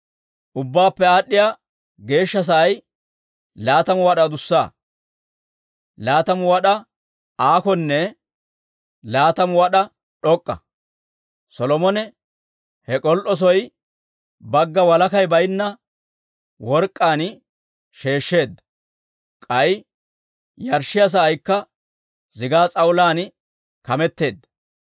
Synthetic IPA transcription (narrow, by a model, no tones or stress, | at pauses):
ʔʊbːaːpːɛaːɗːɪjaː | ɡe̞ːʃːɐs̬ɐːj | laːt̪ɐmʊwɐɗɐd̪ʊsːaː | laːt̪ɐmʊwɐɗɐ | aːkɔnːɛ | laːt̪ɐmʊɐɗɐ | ɗɔkʼːɐ̰ | sɔlɔmɔnɛ | hɛkʼɔlʔɔs̬ɔj | bɐɡːɐwɐlɐkɐjbɐjnːɐ | wɔɾkʼːaːn | ʃe̞ːʃːe̞ːd̪ːɐ | kʼɐj | jɐɾʃːɪjɐs̬ɐːjkːɐ | zɪɡaːt͡sʼɐwʊlaːn | kɐmɛt̪ːe̞ːd̪ːɐ